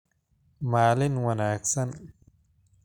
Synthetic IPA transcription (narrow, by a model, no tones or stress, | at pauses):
maːlinwɐnaːksɐn